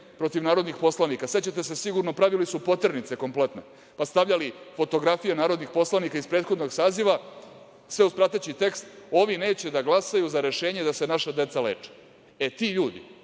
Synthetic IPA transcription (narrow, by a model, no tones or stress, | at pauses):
pɾo̞t̪iʋnaːɾo̞d̪nixpo̞slanikase̞t͡ɕet̪ese̞siɡuɾno̞pɾaʋilisupo̞t̪rnit̪se̞ko̞mple̞t̪ne̞ | past̪aʋʎalifo̞t̪o̞ɡɾafije̞naːɾod̪nixpo̞slˠanikaispɾed̪xo̞d̪no̞ɡsaːziʋa | sʋeuspɾat̪et͡ɕit̪e̞kst̪o̞ʋine̞ːt͡ɕe̞d̪aɡlˠasajuzaɾe̞ʃe̞ːɲe̞d̪ase̞naʃad̪e̞t̪salḛːt͡ʂe̥ | et̪iʎuːd̪ḭ